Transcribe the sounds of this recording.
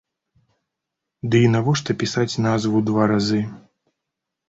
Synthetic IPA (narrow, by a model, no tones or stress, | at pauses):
d̪ɨinavɔʂt̪ɐpʲisat͡sʲnazvud̪vaɾazɨ